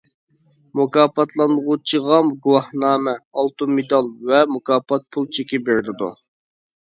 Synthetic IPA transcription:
mukɑːpɑt̪ʰlˠɑnʁut͡ʃʰəʁɑmɡuwɑhnɑːmɛɑlˠt̪umed̪ɑlˠvɛmukɑːpʰɑt̪̚pʰulˠt͡ʃʰekʲɪbeɾlɪd̪ṵ

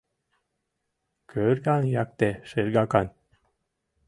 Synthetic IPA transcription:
kʰøɾɡɑnjɑk̚t̪eʃɨɾɡɑkɑn

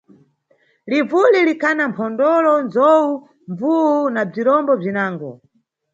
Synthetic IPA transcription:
livulilikʰanampʰɔndɔlɔnzɔu | ɱvuunab͡ʐiɾɔmbɔb͡ʐinaːŋɡɔ

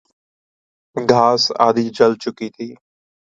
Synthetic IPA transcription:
ɡʱaːsa̰ːd̪iːd͡ʒəlt͡ʃʊkiːt̪ʰiː

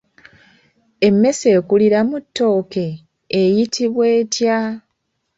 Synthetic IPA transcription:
e̞mːe̞se̞ːkuliɾamutːo̞ːke̞ː | jitʰiβwe̞ːtja

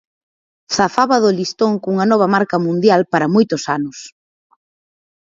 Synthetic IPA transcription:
θafaβɐðolist̪oŋkuŋɐnɔβ̞ɐmaɾkɐmũnd̪jalpaɾɐmojt̪ʊsanʊs

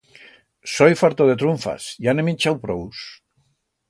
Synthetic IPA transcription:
sojfaɾt̪oðet̪ɾuɱfa̰sjaneminʲt͡ʃawpɾows

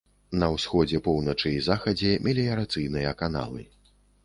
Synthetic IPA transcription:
nɐwsxɔd͡zʲɛpɔwnɐt͡ʂɨizaxɐd͡zʲɛmʲɛlʲijɐɾat̪sɨjnɨjɐkana̰lˠɨ̰

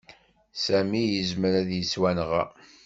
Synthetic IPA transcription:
sæmijəzməɾæðjəswænʁæ̰

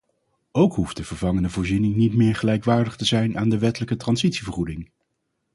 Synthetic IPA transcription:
owkɦufdəv̥əɹvɑŋəndəvʊːɹzinɪŋnitmɪːɹχəlɛjkʋaːɹdəχtəzɛjnaːndəʋɛtələkətrɑnzitsivəɹχudɪŋ

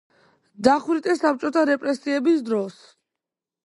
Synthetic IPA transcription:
d̪aχwɾit̪ʼɛsap̚t͡ʃʼɔt̪ʰaɾɛpʼɾɛsiɛbisd̪ɾɔs

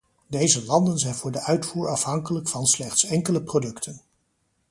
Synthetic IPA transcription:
dejzəlɑndənzɛjnvʊːɹdəʔœɥtfuːɹɑfɦɑŋkələkfɑnslɛχtsɛŋkələprodɵktʰən

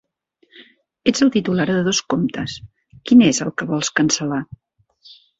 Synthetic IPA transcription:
ed͡zəlˠt̪it̪ulaɾðəðoskomt̪əs | kinezəlˠkəβɔlˠskənsəla

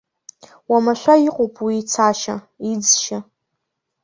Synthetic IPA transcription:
wamaʃʷaiqʼopʼwiːt͡sʰaʃa̰ | id͡zʃa

